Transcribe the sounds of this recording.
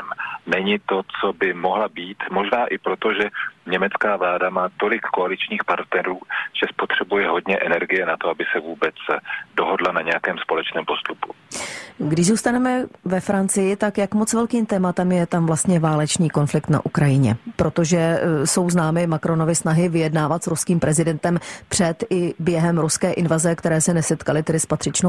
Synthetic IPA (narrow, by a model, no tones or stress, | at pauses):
mnɛɲɪt̪o̞t͡sobɪmo̞ɦlabiːt̪mo̞ʒnaːʔɪpɾot̪oʒɛɲɛmɛt͡skaːvlaːdamaːt̪o̞lɪkːoalɪt͡ʃɲiːxpaɾt̪nɛɾuːʒ̥ɛspo̞t̪r̝̥ɛbujɛɦo̞dɲɛʔɛnɛɾɡɪjɛnat̪oabɪsɛvuːbɛt͡sdoɦodlanaɲɛjakɛːmspo̞lɛt͡ʃnɛːmpo̞st̪upu | ɡdɪʒzuːst̪anɛmɛvɛfɾant͡sɪjɪt̪akjakmo̞t͡svɛlkiːmt̪ɛːmat̪ɛmjɛt̪amvlast̪ɲɛvaːlɛt͡ʃniːko̞nflɪkt̪na̰ʔukɾajɪɲɛpɾo̞t̪o̞ʒɛso̞wznaːmɪmakɾo̞no̞vɪsnaɦɪvɪjɛdnaːvat̪sɾuskiːmpɾʔɛzɪdɛnt̪ɛmpr̝̥ɛt̪ɪbjɛɦɛmɾuskɛːʔɪnvazɛkt̪ɛɾɛːsɛnɛsɛt̪kalɪt̪ɛdɪspat̪r̝̥ɪt͡ʃno